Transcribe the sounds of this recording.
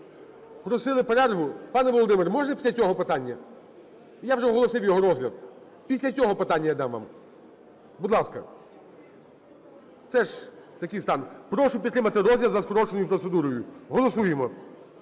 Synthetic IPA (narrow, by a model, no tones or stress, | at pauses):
plˠɔsɪlˠɪpeɾɛrʋʊpɑnɛʋɔlˠɔd̪ɪmɪrmɔʒnɛpʲi̥sʲɐt͡sʲɔɦɔpɪt̪ɑnʲːɐ | jawʐɛɦɔlˠɔsɪwjɔɦɔɾɔzʲlʲɐd̪̚ | pʲisʲlʲɐt͡sʲɔɦɔpɪt̪anʲːɐjad̪ɑmʋɑ̰m | bʊd̪lˠɑskɐ̰ | t̪sɛʒt̪ɐkʲijst̪ɑnpɾɔʃʊpʲit̪t̪ːɾɪmɐt̪ɪɾɔzʲlʲɐzɐskɔɾɔt͡ʃenɔjʊpɾɔt̪sed̪uɾɔjʊɦɔlˠɔsujemɔ